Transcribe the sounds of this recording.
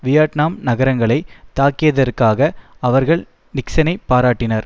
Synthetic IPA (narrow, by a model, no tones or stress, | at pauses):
ʋɪjaːʈnaːmnɐɣɐɾɐŋɡɐɭɐɪt̪aːkːɪjɐðɐɾkaːɣɐɐʋɐɾɣɐɭ | nɪksɐnɐɪpːaːɾaːʈːɪnɐɾ